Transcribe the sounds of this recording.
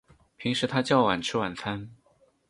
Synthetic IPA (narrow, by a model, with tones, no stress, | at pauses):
pʰi˧˥ŋʂɻ̩˧˥t̪ʰa˥t͡ɕjɑ˥˩ʊwa˨˩nʈ͡ʂʰɻ̩˥wa˨˩nt͡sʰa˥n